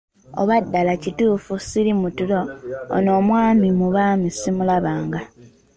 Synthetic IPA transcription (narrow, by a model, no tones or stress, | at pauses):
o̰βadːalacituːfusiɾimutulo̞o̰no̞ːmwaːmimuβaːmisimulaβaːŋɡa